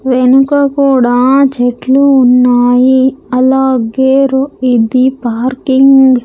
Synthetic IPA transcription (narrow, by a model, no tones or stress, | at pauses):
ʋenukɐkuːɽaːt͡ʃeʈluːnːaːjiɐlaːɡeːɾoid̪ipaːɾkiŋɡ